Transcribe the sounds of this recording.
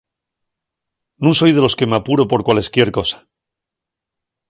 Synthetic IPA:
nũŋso̞jðe̞lo̞ske̞mapuɾo̞po̞ɾkwale̞skje̞ɾko̞sḁ

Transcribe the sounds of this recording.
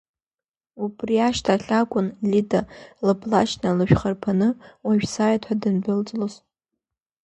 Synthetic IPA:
ubriaʃtʰaɬʲakʷʼʊnlidalɨbʰlaʃnalɨʃᶣχarpʰanɨwaʒᶣsaːjatʰħadɨndɨlt͡sʼloz

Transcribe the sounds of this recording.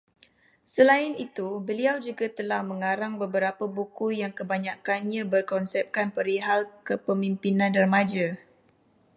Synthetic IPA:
səlaɪnit̪ubəliawd͡ʒuɡat̪əlahməŋaɾaŋbəbəɾapəbukujaŋkəbaɲãkanɲãbərkɔnsɛp̚kanpəɾiɦalkəpəmimpinãnərmad͡ʒa

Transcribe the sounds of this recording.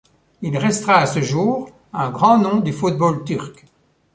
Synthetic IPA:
ilʁɛst̪ʁaːsəʒuːʁ | ɛ̃ɡʁɑ̃nɔ̃d̪yfut̪̚bolt̪yʁk

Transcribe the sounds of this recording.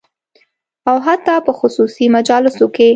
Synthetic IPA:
awɦat̪ːɑpəxʊsusimad͡ʒɑlɪsoke

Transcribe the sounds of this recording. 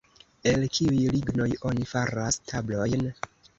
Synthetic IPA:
e̞lkiujliɡno̞jo̞nifaɾastʰablo̞jn

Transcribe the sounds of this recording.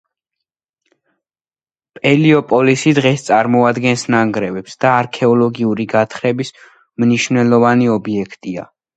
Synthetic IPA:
pʼɛliɔpʼɔlisid̪ʁɛst̪sʼaɾmɔad̪ɡɛnsnaŋɡɾɛvɛpsd̪̥aːɾkʰɛɔlˠɔɡiuɾiɡat̪ʰχɾɛbis | mniʃwnɛlˠɔvaniɔbiɛkʰt̪ʼia̰

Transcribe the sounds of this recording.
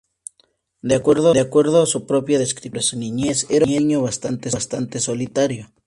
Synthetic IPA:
d̪eakweɾðoðeakweɾð̞oasupɾopjaðeskɾiɾasuniɲeseɾɲeɲoβast̪ant̪est̪ant̪esolit̪aɾjo

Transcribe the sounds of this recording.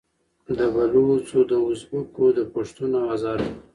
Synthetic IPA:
d̪əbalot͡sod̪əʊzbukod̪əpoʂt̪unoɑzɑɾ

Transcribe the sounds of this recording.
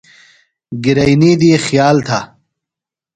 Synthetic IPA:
ɡiɾɐjniːd̪ixjaːlt̪ʰa

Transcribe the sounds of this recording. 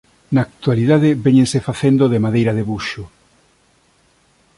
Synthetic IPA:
naːk̚t̪waliðaðɪβeɲẽnsefaθend̪oðemaðejɾɐðeβuʃʊ

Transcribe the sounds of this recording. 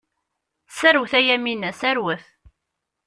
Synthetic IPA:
sæɾwθæjæminæsæɾwəθ

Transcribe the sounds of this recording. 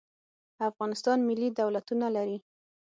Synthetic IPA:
afɣɑnɪst̪ɑnmɪlːid̪awlat̪unalaɾi

